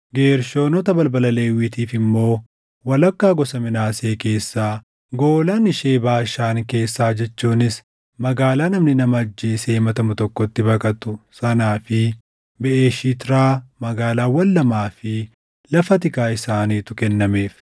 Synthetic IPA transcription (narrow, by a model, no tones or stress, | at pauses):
ɡe̞ːɾʃo̞ːnɔt̪ɐbɐlbɐlɐle̞ːwiːt̪iːfɪmːo̞ː | wɐlɐkːaːɡɔsɐmɪnaːse̞ːke̞ːsːaː | ɡo̞ːlaːnɪʃeːbaːʃaːŋke̞ːsːaːd͡ʒɛt͡ʃːuːnɪs | mɐɡaːlaːnɐmnɪnɐmɐɐd͡ʒːiːseːmɐt̪ɐmʊt̪ɔkːɔt̪ːɪbɐkʼɐt̪ʊsɐnaːfɪ | bɛʔeːʃiːt̪ɪɾaːmɐɡaːlaːwɐlːɐmaːfɪ | lɐfɐt̪̬ɪkaːɪsaːniːt̪ʊkɛnːɐme̞ːf